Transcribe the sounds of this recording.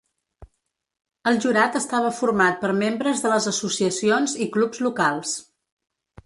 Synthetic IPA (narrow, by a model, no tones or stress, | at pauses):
əlˠʒuɾat̪əst̪aβ̞əfurmat̪̚pəɾmembɾəzðələzəsusiəsionziklubzlukalˠs